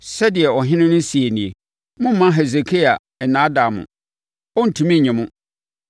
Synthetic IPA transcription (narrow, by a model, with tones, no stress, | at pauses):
sɛ˦dɪ˨ɛ˨ɔ˨ɦɪ̃˦nɪ̃˦nʊ̃˦si˨e˨nĩ˨e˨ | mʊ̃˦m̩˦ã˦ɦe˨ze˨kʰe˦a˨ | ɛ˨nã˨˦da˨mʊ̰̃˨ | ɔ˦n̩˨tʰũ˨mĩ˦˨ɲɪ̃˨mʊ̃˦